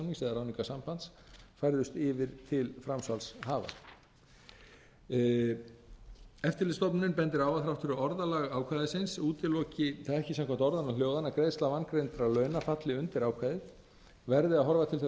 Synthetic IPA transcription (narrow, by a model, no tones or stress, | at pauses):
niŋsɛðaɾaːwniŋkasampant̪sfajɾðʏst̪ɪvɪɾt̪ʰɪlfɾamsvalsɦaːva̰ | ɛft̪ɪɾlɪst̪ɔpnʏnpɛnt̪̬ɪɾaːwaðθɾawft̪ʰʏɾʏɔɾðalaɣaːwkʰvajðɪsɪnsuːt̪ɪlɔːcɪθaaɛhçcɪsɛmkʰɛm̥t̪ɔɾðanawl̥joːwðanakɾejðst̪lavankɾent̪ɾalœːɥnafat̪lɪʏnt̪ɪɾaːwkʰvajðɪð | vɛɾðɪaðɦɔɾvat̪ʰɪlθ